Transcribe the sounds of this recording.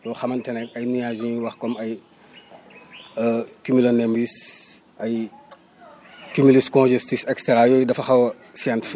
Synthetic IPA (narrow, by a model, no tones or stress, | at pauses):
jɔxɐmɐntɛnɛkɐjnijaʒĩwɐxkɔmɐj | kumilɔnɛmbis | ɐj | kumiliskɔ̃nʒɛstisɛkstɛɾajɔjdɐfɐxɐwɐ | santifi